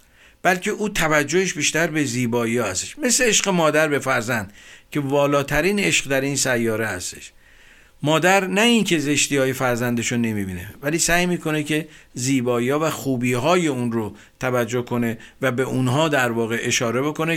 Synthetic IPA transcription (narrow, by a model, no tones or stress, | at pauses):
b̥ælcʰʲe̞ʔuːt̪ʰævæd͡ʒːo̞heʃbiːʃt̪æɾbe̞ziːbɒːiɒːhæst̪e̥ʃme̞sleeʃɢemɒːd̪æɾbe̞fæɾzænd̪̥cʲʰe̞vɒːlɒːt̪ʰæɾiːne̞ʃɢd̪æɾiːnsæjːɒːɾe̞hæst̪e̞̥ʃ | mɒːd̪æɾnæincʰe̞ze̞ʃt̪iːɒːje̞fæɾzænd̪eʃone̞mibiːnevæliːsæːjmiːkʰo̞ne̞cʰe̞ziːbɒːiːɒːvæxuːbiːɦɒːje̞unɾo | t̪ʰævæd͡ʒːohkʰo̞ne̞væbe̞ʔunɦɒːd̪æɾvɒːɣe̞ʔeʃɒːɾe̞bo̞ko̞ne